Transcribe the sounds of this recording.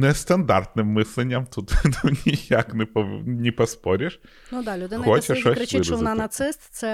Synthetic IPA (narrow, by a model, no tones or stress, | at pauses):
nɛst̪ɐnd̪a̰rt̪nɨmːɨsʲlʲɪnʲːɐmt̪ut̪nunʲijaknɛpɐnʲɪpɐspɔɾʲɪʂ | nud̪alʲʊd̪ɪnɐxɔt͡ʃɪʃɔɾɪt͡ʃɔnanɐt̪sɪst̪sɛ